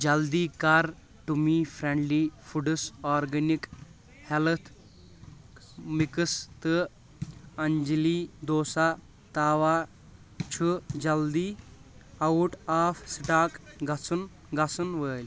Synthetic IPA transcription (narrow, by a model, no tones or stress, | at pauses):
d͡ʒɐld̪iːkaɾ | ʈumiːfʰɾeɳɖliːfuɖɨsɔːɾɡɐnik | hɛlɐt̪ʰ | mikɨst̪ɨ | ɐɲd͡ʒliːd̪oːsa | t̪aːʋa | t͡ʃʰud͡ʒɐld̪iː | ɐuʈaːfsiʈaːkɡɐt͡sun | ɡɐsunʋəːlʲ